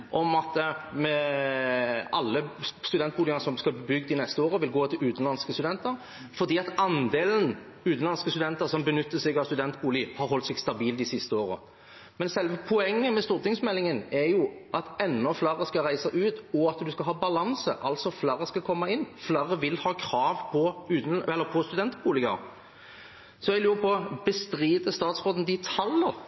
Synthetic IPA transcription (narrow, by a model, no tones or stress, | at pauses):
ʔɔmɑt̪mɛ | ɑlːəst̪ʉd̪ɛnt̪buːlɪənəɾsɔmskɑbəbʏɡd̪ɪnɛst̪əoːɾəʋɪlɡoːt̪ʰɪlʉːt̪ənlɑnskəst̪ʉd̪ɛnt̪əɾ | fɔɾd̪iːɑt̪ɑnd̪eːlən̩ | ʉːn̩lɑnskəst̪ʉd̪ɛnt̪əɾsɔmbənʏt̪ːəsɛɡɑʋst̪ʉd̪ɛnt̪̚buːlɪhɑʁɦɔlt̪sɛɡst̪ɑbiːld̪ɪsɪst̪əoːɾə̰ | mɛnsɛlʋəpʰʊɛŋːəmɛst̪uːʁt̪ɪŋsmɛlːɪŋənɛɾjʊʔɑt̪ɛnːɔflɑɾəskɑʁæɪsəʔʉːt̪ɔɑt̪d̪ʉskɑɦɑːbɑlɑnsə̰ʔɑlsɔflɑɾəskɑkʰɔmːɑɪnːflɑʁəʋɪlhɑːkʰɾɑːʋpʰɔʉːt̪n̩ɛlːəpʰɔst̪ʉd̪ɛnt̪buːlɪɡɑ̰ɾ | sɔɛɡlʉːʁpʰɔːbəst̪ɾiːd̪əst̪ɑːt̪sʁoːd̪n̩d̪ɪt̪ʰɑlːəɾ